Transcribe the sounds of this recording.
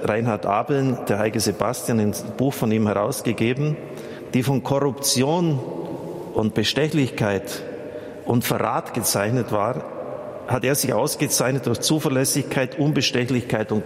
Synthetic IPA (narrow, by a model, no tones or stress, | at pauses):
ʁaɪnɦatʔa̰ːbl̩nd̥eːɐɦaɪɡəzebastjananb̥uːxfɔniːmhɛʁa̰ʊsɡ̥əɡeːbm̩ | d̥iːfɔnkʰɔʁʊpt͡sjoːn | ʔʊntb̥əʃtɛçlɪçkʰaɪt | ʊntfɛʁa̰ːtɡ̥ət͡saɪçnətv̥aːʁ | hateːɐzɪçʔa̰ʊsɡ̥ət͡saɪçnət̚d̥ʊɐçt͡suːfɛɐlɛsɪçkʰaɪtʔʊnbəʃtɛçlɪçkʰaɪtʊnt